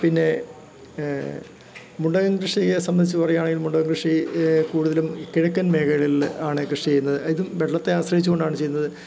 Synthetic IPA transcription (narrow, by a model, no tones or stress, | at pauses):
pinːe̞ | muɳɖɐɣɐŋɡɾɨʂiɣesɐmbɐnd̪it͡ɕːupɐrɐjaːɳe̞ŋɡilmuɳɖɐɣɐŋɡɾɨʂikuːɽuðɐlumkiɻɐkʲːɐnme̞ːɣɐɭilaːɳɨkrɨʂit͡ɕejunːɐðɨiðumʋeɽɐɭɐt̪ːe̞aːɕrɐɦit͡ɕːuɣo̞ɳɖaːɳɨt͡ɕe̞junːɐðɨ